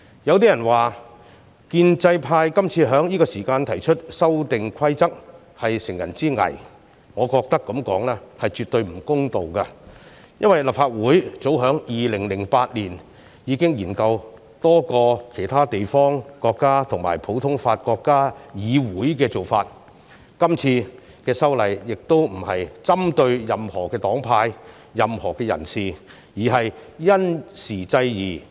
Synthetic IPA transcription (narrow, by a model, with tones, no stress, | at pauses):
jɐ˨˧wt̪i˥jɐ˨˩nwaː˨˩ | kiː˧nt͡sɐ˧jpʰaː˧jkɐ˥mt͡sʰiː˧ɦœː˨˥ŋjiː˥kɔː˧siː˨˩kaː˧nt̪ʰɐ˨˩jt͡ʃʰɵ˥t̚sɐ˥wt̪ɪ˨ŋkʰɐ˥jt͡sɐ˥k̚ | hɐ˨jsɪ˨˩ŋjɐ̰˨˩nt͡siː˥ŋɐ̰˨˩j | ŋɔː˨˧kɔː˧k̚t̪ɐ˥kːɐ˨˥mkɔ̰ː˨˥ŋlɛː˥hɐ˨jt͡ʃyː˨t̪ɵ˧ɥm̩˨˩kʊ˥ŋt̪o˨wkɐ˧ | jɐ˥nwɐ˨jlɐ˨pfaː˧t̚wuː˨˥jt͡so˨˥wɦœː˨˥ŋjiː˨lɪ˨˩ŋlɪ˨˩ŋpaː˧t̚liː˨˩n | jiː˨˧˥kɪ˥ŋjiː˨˩nkɐ˧w | t̪ɔː˥kɔː˧kʰe˨˩jt̪ʰaː˥t̪e˨jfɔː˥ŋkɔː˧kːaː˥t̪ʰʊ˨˩ŋma̰ː˨˩jpʰo˨˥wt̪ʰʊ˥ŋfaː˧t̚kɔː˧kːaː˥jiː˨˧wuː˨˥jkɛː˧t͡so˨wfaː˧t̚ | kɐ˥mt͡sʰiː˧ | kɛː˧sɐ˥wlɐ˨jːɪ˨k̚t̪o˥wm̩˨˩hɐ˨jt͡sɐ˥mt̪ɵ˧ɥjɐ˨mhɔː˨˩kɛː˧t̪ɔː˨˥ŋpʰaː˧jː | ɐ˨mhɔː˨˩kɛː˧jɐ̰˨˩nsiː˨˩ | jiː˨˩ɦɐ˨jjɐ˥nsiː˨˩t͡sɐ˧jjiː˨˩